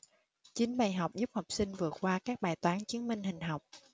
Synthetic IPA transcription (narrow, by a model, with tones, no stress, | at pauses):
t͡ɕï˨˦ŋ̟ɓaː˧˩jɦa˨˩wk͡p̚zu˦˥p̚ha˨˩wk͡p̚sï˧ŋ̟vɨ˨˩ət̚kwaː˧kaː˦˥k̚ɓaː˨˩jt̪waː˨˦nt͡ɕɨ˨˦ənmï˨ŋ̟hï˨˩ŋ̟ɦa˨˩wk͡p̚